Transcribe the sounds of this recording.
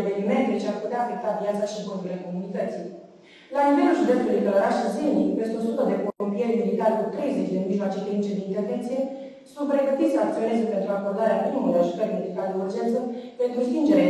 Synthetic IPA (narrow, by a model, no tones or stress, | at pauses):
evenime̞nt̪et͡ʃearput̪eaːfe̞k̚t̪avjat̪saʃiɨŋkond̪ule̞ko̞munit̪ət̪si | lanive̞lulʒud̪est̪ulujkələɾaʃaszemnikpest̪eo̞sut̪əd̪e̞pompie̞rʲmid̪ikalekut̪ɾe̞jze̞t͡ʃd̪eɨnmiʒmat͡ʃek̪limit͡ʃed̪eint̪e̞rvent̪sije̞ | sunt̪̚pɾeɡət̪it̪sak̚t̪io̞ne̞zepe̞nt̪ɾuako̞rd̪aɾeapɾimulujaʒut̪əɾʲmed̪ikaled̪eurd͡ʒe̞nt̪səpe̞nt̪ɾust̪ind͡ʒe̞ɾe